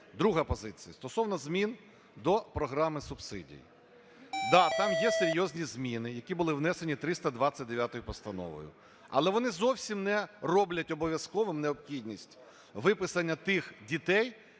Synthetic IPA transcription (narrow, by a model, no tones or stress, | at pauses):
d̪ɾuɦɐpɔzɪt͡sʲijɐst̪ɔsɔwnɐzmʲin | d̪ɔpɾɔɦɾɑmɪsʊbsɪ̰dʲḭjḭ | d̪ɑt̪ɑmjɛseɾʲjɔzʲnʲizmʲinɪjɐkʲibʊlˠɪwnɛsenʲit̪ɾɪst̪ɐd̪ʋat͡sʲːɐt̚ʲd̪eʋʲjat̪ɔjʊpɔst̪ɐnɔ̰ʋɔ̰jʊ̰ | ɐ̰lˠɛʋɔnɪzɔwsʲimnɛrɔblʲɐtʲɔbɔʋʲjɐskɔʋɪmneɔpxʲidʲnʲisʲtʲ | ʋɪpɪsɐnʲːɐt̪ɪxdʲit̪ɛj